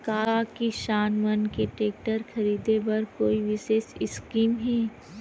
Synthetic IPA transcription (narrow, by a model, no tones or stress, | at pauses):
kaːakiʃaːnmənkeʈeːk̚ʈəɾxʰɐɾiːd̪ebɐɾkoːiʋɪʃeːʃɪskiːmɦɛː